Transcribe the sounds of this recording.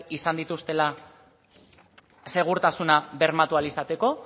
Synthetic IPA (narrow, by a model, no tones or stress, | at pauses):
isand̪it̪ust̪e̞la | se̞ɣ̞uɾt̪asunaβe̞ɾmat̪ualisat̪e̞ko̞